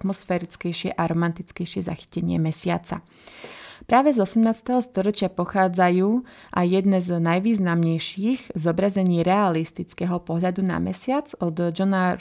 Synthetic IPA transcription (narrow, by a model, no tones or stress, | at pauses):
t̪mɔsfɛɾit͡skɛjʃɪɛʔaɾɔmant̪it͡skɛjʃɪɛza̰xi̥cɛɲɪɛ̰mɛsɪa̰t͡sa̰ | pɾaːʋɛzɔsɛmnaːt͡st̪ɛɦɔst̪ɔɾɔt͡ʃɪapɔxaːd͡zajuː | ʔajjɛd̪nɛznajʋiːznamɲɛjʃiːɣzɔbɾazɛɲiːɾɛalist̪it͡skɛɦɔpɔɦʎad̪una̰mɛ̰sɪad͡zɔd̪d͡ʒɔna